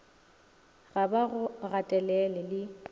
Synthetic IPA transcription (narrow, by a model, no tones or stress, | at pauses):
ɣabaɣʊɣatʼɛlɛlɛlɪ